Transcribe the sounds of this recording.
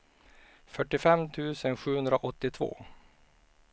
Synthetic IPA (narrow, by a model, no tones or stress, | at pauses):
fœʈːɪfɛmt̪ʰʉ̟ːsənɧʉ̟ːhɵnd̪ɾaʔɔt̪ːɪt̪ʰvo̰ː